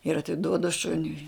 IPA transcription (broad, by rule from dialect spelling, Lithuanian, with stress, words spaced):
ɪr ɐtʲɪˈduɔdʊ ˈʃʊnʲʊɪ